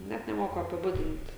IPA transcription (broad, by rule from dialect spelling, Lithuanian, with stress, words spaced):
ˈnʲɛt nʲɛˈmoːkʊ ɐpʲɪˈbʊdʲɪnt